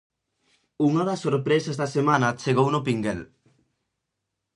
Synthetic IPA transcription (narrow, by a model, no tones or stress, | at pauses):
uŋɐðɐsːoɾpɾesɐzðɐsemanɐt͡ʃeɣownʊpiŋɡɛl